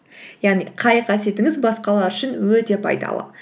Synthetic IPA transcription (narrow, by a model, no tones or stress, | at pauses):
jɑʁniqʰɑjqʰɑsje̞t̪ɪŋɪzbɑsqɑlˠɑɾʏʃɪnwɵt̪e̞pʰɑ̰jd̪ɑ̰lˠə̰